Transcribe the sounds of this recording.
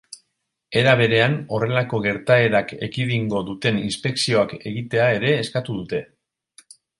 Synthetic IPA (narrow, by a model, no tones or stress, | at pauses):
e̞ɾaβ̞e̞ɾe̞ano̞re̞lako̞ɣe̞ɾt̪ae̞ɾake̞̰kiðiŋɡo̞ðut̪e̞ninspe̞ksio̞ake̞ɣit̪e̞ae̞ɾe̞ːskat̪uðut̪e̞